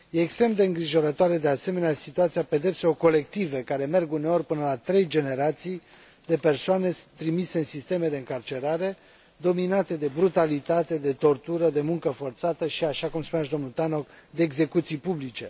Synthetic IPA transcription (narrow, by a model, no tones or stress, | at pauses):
je̞ːkst̪ɾe̞md̪e̞ɨŋɡɾiʒo̞ɾət̪oaɾe̞d̪e̞ase̞me̞neasit̪uat̪sijape̞d̪e̞pseo̞ko̞le̞kt̪ive̞kaɾe̞me̞rɡune̞o̞rʲpɨnəlat̪ɾe̞jd͡ʒe̞ne̞ɾat̪sij | d̪e̞pe̞rsoane̞t̪ɾimise̞ɨnsist̪e̞me̞d̪e̞ɨŋkart͡ʃe̞ɾaɾe̞ | d̪o̞minat̪e̞d̪e̞bɾut̪alit̪at̪e̞d̪e̞t̪o̞rt̪uɾəd̪e̞muŋkəfo̞rt̪sat̪əʃiaʃakumspunaʃd̪o̞mnut̪ano̞kd̪eːɡze̞kut̪sijpublit͡ʃe̞